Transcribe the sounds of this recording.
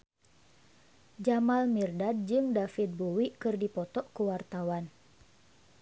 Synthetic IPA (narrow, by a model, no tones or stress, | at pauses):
d͡ʒamalmirdad̚d͡ʒɨŋdafid̪̚buwikɨrdipɔt̪ɔʔkuwart̪awan